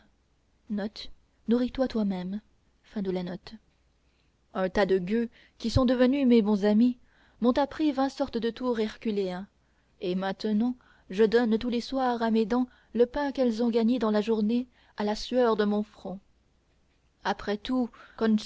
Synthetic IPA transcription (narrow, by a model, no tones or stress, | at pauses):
nɔt̪ | nuʁit̪wat̪wamɛm | fɛ̃d̪əlanɔt̪ | ɛ̃t̪ad̪əɡʲø | kʲisɔ̃d̪əvənymebɔ̃zami | mɔ̃t̪apχivɛ̃sɔʁt̪əd̪ət̪uʁɛʁkʲyleɛ̃ | emɛ̃t̪ənɑ̃ | ʒəd̪ɔnt̪uleswaʁamed̪ɑ̃ | ləpɛ̃kɛlzɔ̃ɡaɲed̪ɑ̃laʒuʁne | alasyœʁd̪əmɔ̃fχɔ̃ | apχɛt̪ukɔn